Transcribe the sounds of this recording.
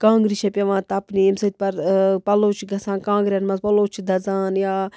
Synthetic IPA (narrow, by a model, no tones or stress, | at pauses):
kãːŋɡɾiʃɐpʲɐʋãːt̪ɐpnimsɐt̪̚ʲpɐɾpɐloːt͡ʃʰiɡɐsãːnkãːŋɡɾʲɐnmɐzpɐloːt͡ʃʰid̪ʱɐzaːnjaː